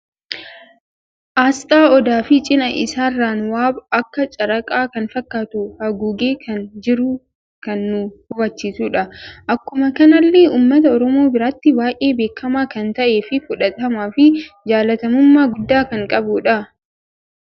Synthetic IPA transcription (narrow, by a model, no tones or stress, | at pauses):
ʔaːst̪ʼaːɔd̪aːfɪt͡ʃʼɪnɐʔɪsaːrːaːnwaːbɐkːɐt͡ʃʼɐɾɐkʼaːkɐnfɐkːaːt̪ʊhɐɡuːɡe̞ːkʰɐnd͡ʒɪɾuː | kɐnːʊhʊbɐt͡ʃːiːsuːᶑɐʔɐkːʊmɐkɐnɐlːeːʔuːmːɐt̪ɐɔɾɔmo̞ːbɪɾaːt̪ːɪbaːjʔe̞ːbe̞ːkːɐmaːkɐnt̪ɐʔe̞ːfɪfʊᶑɐt̪ʼɐmaːfɪd͡ʒaːlɐt̪ɐmʊmːaːɡʊd̪ːaːkɐŋkʼɐbʊːᶑɐ